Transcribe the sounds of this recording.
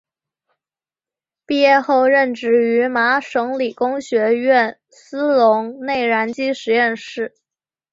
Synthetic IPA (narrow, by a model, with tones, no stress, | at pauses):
pi˥˧jɛ˥˧xo˥˧ʊɻə˥˩nʈ͡ʂɻ̩˧˥˩y˧˥ma˧˥ʂɤ˧˥ŋli˨˩kʊ˥ŋɕɥɛ˧˥ɥɛ˥˩n | sɹ̩˥lʊ˧˥ŋne˥˩ɪɻa˧˥nt͡ɕi˥ʂɻ̩˧˥jɛ˥˧nʂɻ̩˥˩